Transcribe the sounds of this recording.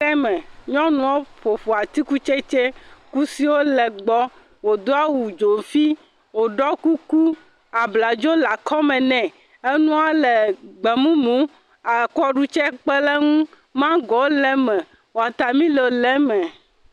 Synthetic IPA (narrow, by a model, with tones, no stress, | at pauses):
ɛ˦mɛ̃˨ɲɔ̃˦nũ˨wo˦ɸo˨ɸo˨a˨t̪i˦ku˦t͡ʃe˦t͡ʃɛ˦ku˦si˦wo˦lɛ˨ɡ͡bɔ˦ | wo˨d̪o˦a˦wu˨d͡ʒo˨fi˦ | wo˨ɖɔ˦ku˦ku˦ | a˨bla˨d͡ʒo˦la˨kʰɔ˦mɛ̃˨nɛ̃˨ | e˦nũ˦a˦lɛ˨ɡ͡bɛ˨mũ˦mũ˦ | a˨kɔ˦ɖu˦t͡ʃɛ˦k͡pɛ˦lɛ˦ŋũ˦ | mã˦ɡɔ˨wo˦lɛ˦mɛ̃˨ | wo˨a˨t̪a˨mĩ˦le˨o˨lɛ˦mɛ̃˨